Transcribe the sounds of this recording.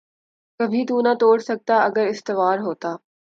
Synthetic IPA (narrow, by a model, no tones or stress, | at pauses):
kɐbʱit̪uːnat̪oːɽsɐk̚t̪aɐɡəɾɪst̪ɪʋaːɾɦoːt̪aː